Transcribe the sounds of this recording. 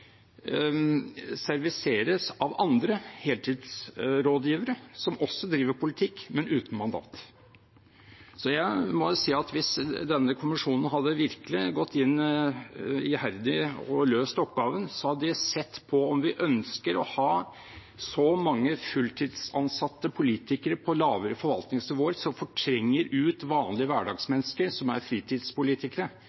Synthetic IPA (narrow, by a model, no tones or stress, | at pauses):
sæɾʋɪseːɾəsɑʋɑnd̪ɾəheːlt̪ʰɪːd̪sɾoːd̪jiːʋəɾəsɔmɔsːɔd̪ɾiːʋəɾpʰʊlɪt̪ʰɪkːmɛnʉːt̪n̩mɑnd̪ɑ̰ːt̪ | sɔjæɪmɔsiːɑt̪ʋɪsd̪ɛnːəkʰʊmɪʂuːnənɦɑd̪ːəʋɪɾkəlɪɡɔt̪ʰːɪnː | ɪhæɾd̪ɪɔløːst̪ɔpːɡɑːʋənsɔhɑd̪əd̪ɪsɛt̪ːpʰɔɔmʋɪʔœnskəɾɔhɑː | sɔmɑŋːəfʉlt̪ʰiːd̪sɑnsɑt̪ːəpʰʊliːt̪ɪkəɾəpʰɔlɑːʋəɾəfɔɾʋɑlt̪nɪŋsnɪʋoːəɾsɔmfɔʈʰɾɛŋːəɾʉːt̪ʋɑːnlɪəʋæːɖɑɡsmɛnːskəɾsɔmæ̰ɾfɾiːt̪ʰiːd̪spʊliːt̪ɪkəɾə